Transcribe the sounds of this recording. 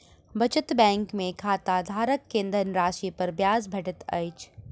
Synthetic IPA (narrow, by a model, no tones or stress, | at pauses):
bɐt͡ʃət̪bɛ̃ːŋkmẽkʰaːt̪ad̪ʱaːɾəkːẽːnd̪ʱənɾaːʃipɐɾbjaːzbʱɛʈət̪ɐ̰ɪt͡ʃ